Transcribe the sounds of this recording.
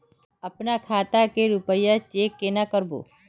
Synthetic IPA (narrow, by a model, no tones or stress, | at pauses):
ɐpnakʰaːt̪akeɾʊpəjat͡ʃeːkːenakəɾbo̰ː